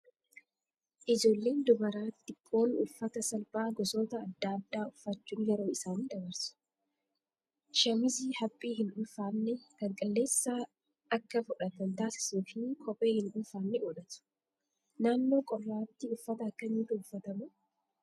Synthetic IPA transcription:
ʔɪd͡ʒo̞ːlːe̞ːnd̪ʊbɐɾaːt̪ːɪpʼːo̞ːnʊ̰fːɐt̪ɐsɐlbaːɡɔso̞ːt̪ɐːd̪ːaːd̪ːaːʊfːɐt͡ʃːuːŋɡɛɾo̞ːɪsaːniːd̪ɐbɐɾsʊ̥ | ʃɐmɪzihɐpʼːiːhɪnʊlfaːnːɛkɐŋkʼɐlːe̞ːsːaː | ɐkːɐfʊᶑɐt̪ːɐnt̪aːsɪ̥suːfiːnkʰɔpʼe̞ːhɪnᶑʊlfaːnːɛɔᶑɐt̪ʊ̥ | naːnːo̞ːkʼɔrːaːt̪ːɪʊfːɐt̪ɐːkːɐɲiːt̪ʊʊfːɐt̪ɐmʊ

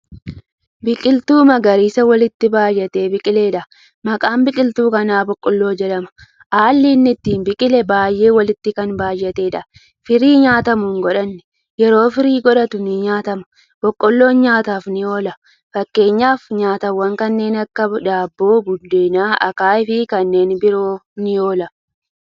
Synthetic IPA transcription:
bɪkʼɪlt̪uːmɐɡɐɾiːsɐwɐlɪt̪ːɪbaːjːɛt̪e̞ːbɪkʼɪle̞ːᶑɐ | mɐkʼaːmbɪkʼɪlt̪uːkɐnaːbɔkʼːɔlːo̞ːd͡ʒɐᶑɐmɐ̥ | ʔaːlːiːnːɪt̪ːiːnbɪkʼɪlɛbaːjʔe̞ːwɐlɪt̪ːɪkɐnbaːjːɛt̪e̞ːᶑɐ | fɪɾiːɲaːt̪ɐmuːŋɡɔᶑɐnːɛ̥ | jɛɾo̞ːfɪɾiːɡɔᶑɐt̪ʊnɪɲaːt̪ɐmɐ̥ | b̥ɔkʼːɔlːo̞ːnɲaːt̪aːfnɪjo̞ːlɐ | fɐkːe̞ːɲːaːfɲaːt̪ɐwːɐŋkɐnːe̞ːnɐkːɐᶑaːbːoːbʊd̪ːeːnaːʔɐkaːɪfɪkɐnːe̞ːnbɪɾoːnɪjo̞ːlɐ

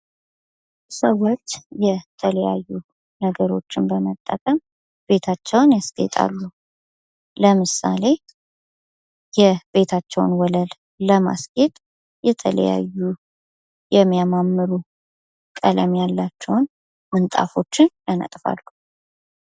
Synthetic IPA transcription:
səwo̞t͡ʃːjɛt̪ʰələja̰jːu | nəɡəɾo̞̰t͡ʃːɪnbəmət̪ʼːəkʼəm | b̥e̞t̪ʰat͡ʃːɛwnjast̪ʼḛt̪ʼa̰lːu | ləmɨsa̰le̞ | jɛbe̞t̪ʰat͡ʃːɛwnwɔləl | ləma̰skʼet̪ʼ | jɛt̪ʰələ̰ja̰jːu | jɛmːijamamːɨɾu | kʼələ̰mjalːat͡ʃːɛwn | mɨnt̪ʼa̰fo̞t͡ʃːɪnjanə̰t̪ʼfa̰lːu

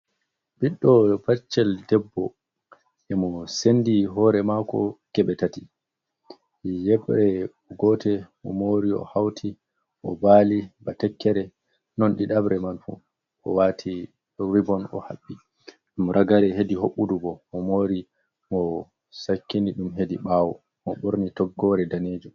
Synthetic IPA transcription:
biɗːɔpat͡ʃːɛldɛbːɔ | ʔɛmɔsendiɦɔɾɛmakɔ̰ɡ̥ɛɓɛtati | jɛɓɾɛ | ɡɔtʰɛmɔ̰moɾiɔ̰hawtʰi | ʔɔbaːlibatɛkːɛɾɛ | nɔnɗiɗabɾɛmanfṵ | ʔɔ̰watʰi | wibɔnɔ̰ha̰ɓːi | ɗumɾʔaɡaɾɛɦediɦoɓːudubɔmɔmoɾi | mɔ | sakːiniɗumɦediɓaːwɔ | mɔɓoɾnitɔɡːɔɾɛdaneːd͡ʒum

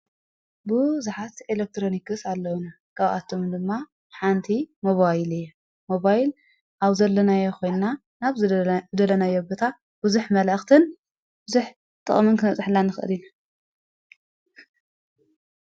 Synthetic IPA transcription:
bɨzuħat̪elek̚t̪ɾo̞nikɨsalːɐwuna | kʰaβʔa̰t̪ʰːo̞md̪ɨmːa | ħant̪ʰimo̞βajlɨjːo | moβajl | ʔaβzɐlːɐnajɛxo̞jnna | naβɨd̪ɐlɐnajobɨt̪ʰa | bɨzuħmɐlʔɐxt̪ʰɨn | bɨzuħ | t̪ʼɨ̰χʼmɨnkʰɨnɐt͡sʼɨħɨlːanɨxʔɨ̰lina

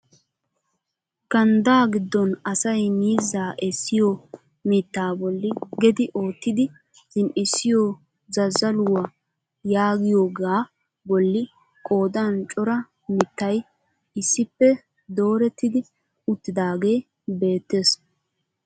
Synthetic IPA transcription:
kɐnd̪aːɡɪd̪ːɔnɐsɐjmiːzːaːʔɛsːɪjo | mɪt̪ːaːbɔlːɪɡɛd̪ɪʔo̞ːt̪ːɪd̪ɪ | z̥ɪnʔɪsːɪjo | zɐzːɐlʊwɐ | jaːɡɪjoːɡaː | bɔlːɪ | kʼo̞ːd̪ɐnt͡ʃʼɔɾɐ | mɪt̪ːɐj | ɪsːɪpːɛ | d̪o̞ːɾɛt̪ːɪd̪ɪ | ʊt̪ːɪd̪aːɡe̞ː | be̞ːt̪ːe̞ːs

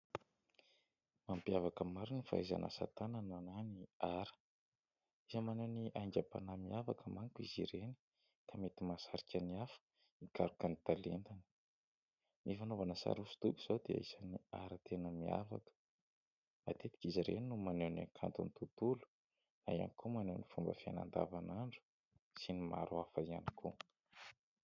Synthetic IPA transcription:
mampiavakəmaɾinifa̰iza̰na̰sa̰t̪ananananiaɾə̥ | izəmaneniʔajɲd͡ʒapa̰namiavakəmaŋkuizḭɾeni̥ | kamet̪imasaɾikʲaniafə̥ | ikaɾukanit̪alent̪ani̥ | nifanovanəsa̰ɾusu̥t̪ubuz̥od̪ḛaisania̰ɾat̪enəmia̰va̰kə̥ | mat̪et̪i̥kʲiziɾḛninːumanewnakʰa̰nt̪unit̪ut̪ulu̥ | naia̰nikʰumanewnifumbə̰fiana̰nd̪a̰vanaɳɖ͡ʐu̥ | sinima̰ɾuafaianikʰṵ

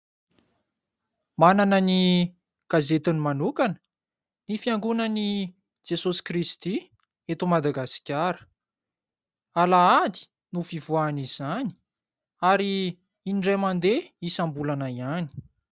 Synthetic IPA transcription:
mananəni | ɡ̥azet̪unimanukanə̥ | nifiaŋɡunəni | d͡ʒesosi̥krist̪i | et̪umad̪aɡasi̥kʲaɾə̥ | alaad̪i̥ | nufivuanizani̥ | aɾiː | nɖ͡ʐemand̪eisambulanaiani̥

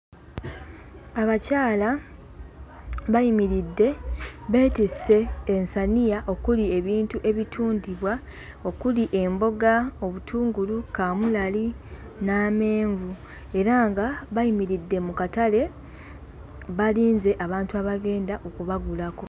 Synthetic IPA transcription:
aβacaːla | βajimiɾidːe̞βe̞ːtise̞ːnsanijaʔo̞kulie̞βiːntuʔe̞βitʰuːndiβwa | o̞kuliʔe̞mbo̞ɡao̞βutʰuːŋɡulukaːmulali | naːme̞ːɱvu | e̞ɾaŋɡaβajimiɾidːe̞mukatale̞ | βaliːnze̞ʔaβaːntuaβaɡe̞ːndaʔokuβaɡulako̞

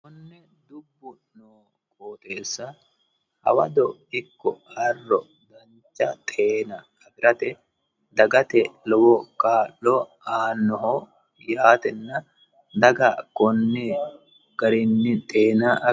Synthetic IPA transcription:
kɔnːɛ | d̪ʊbːʊ | noː | kʼoːt̪ʼeːsːɐ | hɐ̰wɐ̰d̪ɔɪkːɔhɐrːɔ | d̪ɐɲt͡ʃːɐt̪ʼe̞ːnɐ | ɐbɪɾɐt̪ɛ | d̪ɐɡɐt̪ɛlɔwɔkʼaːlɔ | aːnːɔɦo | jaːt̪ɛnːɐ | d̪ɐɡɐkɔnːɛ | ɡ̥ɐɾɪnːɪt̪ʼeːnaʔɐ

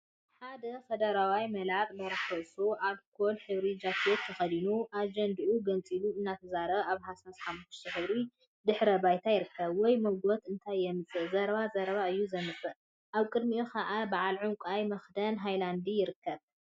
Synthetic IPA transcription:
ħad̪ɐfed̪ɐɾawajmɐlat̪ʼlɐɾɐxɐsoʔalkʰolħɨβɾid͡ʒakʰot̪ʰːɐxɐd̪inuʔad͡ʒɐnd̪iʔuɡɐnt͡sʼiluɨnːat̪ʰɐzaɾɐβaβhasasħamuʃt̪ʰɨħɨβɾi | d̪ɨħɾɐbajt̪ʰajɪɾɨkʰːɐβwɔjmɐɡot̪ɨnt̪ʰajːɛmɨt͡sʼɨʔzɐɾβazɐɾɐβaɨjːuzɐmɨfɨʔ | ʔaβkʼɨd̪miʔokʰaʔabaʕalʕuŋkʷʼajmɐxd̪ɐnɦajland̪ijɪɾɨkːɐβ

